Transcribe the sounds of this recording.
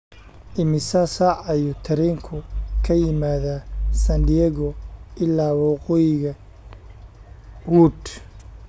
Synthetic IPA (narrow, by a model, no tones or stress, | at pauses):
ʔɪmɪsasaʕɐjʊt̪ʰɐɾɛːŋkʰʊkʰɐjɪmaːðasɐnd̪iɛːɣɔɪlːaːwɑqɔjɪɣɐ | huːd̪